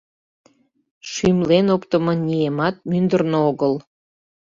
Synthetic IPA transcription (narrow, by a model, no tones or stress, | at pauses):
ʃymlenokt̪əmɤnʲiemɑt̪̚mynd̪ərnooɣəl